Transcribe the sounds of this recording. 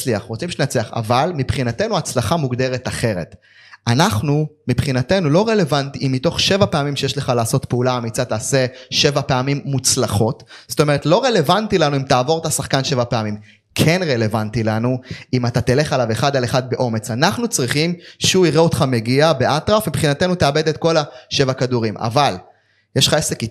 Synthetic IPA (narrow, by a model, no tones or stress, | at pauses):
liaχʁot͡simʃenat͡sliaχa̰valmipχinat̪e̞nuat͡slaχamuɡd̪e̞ʁet̪aχe̞ʁe̞̰t | ʔanaχnumipχinat̪e̞nulo̞ʁe̞le̞vantimito̞χʃe̞vapeamimʃejeʃle̞χalaːso̞t̪peulaːmit͡sataːse̞ʃe̞vape̞amimːut͡slaχo̞t̪z̥o̥t̪o̞me̞ʁetlo̞ʁe̞le̞vant̪ilanuimt̪aːvo̞ʁt̪asaχkanʃe̞vape̞amim | kʰenʁe̞le̞vant̪ilanuimat̪at̪ile̞χalave̞χad̪ale̞χad̪̚be̞ʔo̞me̞t͡sanaχnut͡sʁiχimʃuiʁeot̪χame̞ɡiabe̞ʔat̪ʁafmipχinat̪e̞nut̪eabe̞d̪et̪̚ko̞laʃe̞vakad̪uʁima̰val | jeʃlχaeseki